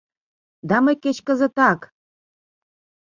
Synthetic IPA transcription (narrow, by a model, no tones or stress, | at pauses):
d̪ɑməjket͡ɕkə̆zə̆t̪ɑk